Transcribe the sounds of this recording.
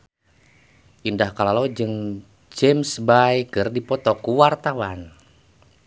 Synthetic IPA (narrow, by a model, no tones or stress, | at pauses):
ʔindahkalalod͡ʒɨŋ | d͡ʒɛmsbajkɨrdipɔt̪ɔkuwart̪awan